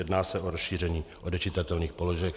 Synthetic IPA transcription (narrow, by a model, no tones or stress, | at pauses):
ɛdnaːsɛʔoɾosʃiːr̝ɛɲiːʔodɛt͡ʃɪt̪at̪ɛlniːxpo̞loʒɛk